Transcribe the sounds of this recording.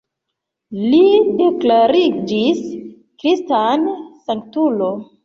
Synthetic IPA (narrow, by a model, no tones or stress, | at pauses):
lide̞klaɾid͡ʒis | kɾistansaŋk̚tulo̞